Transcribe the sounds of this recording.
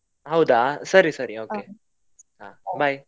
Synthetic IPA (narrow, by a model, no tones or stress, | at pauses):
ɦaud̪asʌɾisʌɾiokʰe | abaj